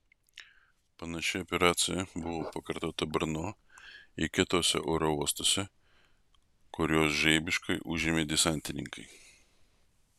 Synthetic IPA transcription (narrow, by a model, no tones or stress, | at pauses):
pɐnɐʃʲɪɔpʲɛɾɑːt̪sʲɪjɛbʊʋoːpɐkɐɾt̪oːt̪ɐbɾnoː | ɪkʲɪt̪oːsʲɛ̰ʔɔːɾouɔst̪oːsʲɛ | kʊɾʲoːsʒɛɪbʲɪʃkɐɪʔʊʒʲɪmʲeːd̪ʲɪsɑˑnʲt̪ʲɪnʲɪ̰ŋkɐɪ